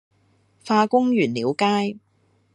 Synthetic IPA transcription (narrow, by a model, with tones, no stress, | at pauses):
faː˧kʊ˥ŋjyː˨˩nliː˨˥wkaː˥j